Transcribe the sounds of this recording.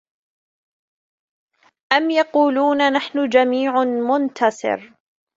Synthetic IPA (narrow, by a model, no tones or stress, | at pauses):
ʔamjɑquːluːnanaħnʊd͡ʒamiːʕmʊnt̪ʰasˤɨ̰ɾ